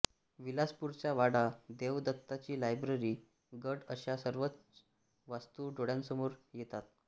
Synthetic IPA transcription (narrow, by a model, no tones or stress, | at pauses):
ʋilaspuɾt͡ɕjaʋaɽad̪eʋd̪ət̪ːat͡ɕiːlajbɾəɾiː | ɡəɖəɕasəɾʋət͡s | ʋast̪uɖoɽjansəmoɾjet̪at̪̚